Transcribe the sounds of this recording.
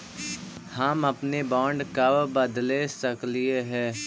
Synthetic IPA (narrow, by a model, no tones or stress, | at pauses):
hamɐpnebɔ̃ːɳɖkɐbbɐd̪lesɐklieɦɛ̃ː